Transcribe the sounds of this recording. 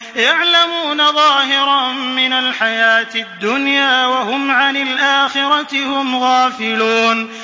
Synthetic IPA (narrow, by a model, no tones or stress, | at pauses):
jaʕlamuːnaðˤɑːɦɪɾˤɑmɪnalħajaːt̪ɪd̪ːʊnjaːwaɦʊmʕanɪlʔaːxɪɾˤɑthʊmɣaːfɪluːn